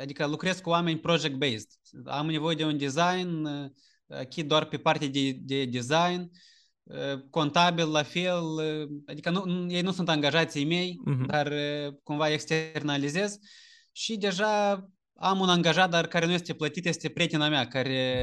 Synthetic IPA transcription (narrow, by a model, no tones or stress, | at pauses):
ad̪ikəlukɾe̞zkuoame̞nʲpɾod͡ʒek̚t̪̚bejst̪ | a̰mne̞vo̞jed̪e̞und̪izajn | a̰kʲit̪̚d̪oarpe̞part̪ead̪ed̪e̞d̪izajn | əko̞nt̪abillafelad̪ikənunje̞jnusunt̪aŋɡaʒat̪sijme̞jd̪arkumvaekst̪ernalize̞z | ʃid̪e̞ʒa | amunaŋɡaʒat̪̚d̪arkaɾe̞nujest̪e̞plət̪it̪je̞st̪e̞pɾʲet̪inamʲeakaɾe̞